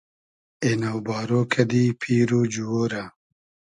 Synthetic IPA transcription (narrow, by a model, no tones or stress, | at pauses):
enɐwbɑːɾokʰɐd̪iːpʰiːɾod͡ʒuwoɾa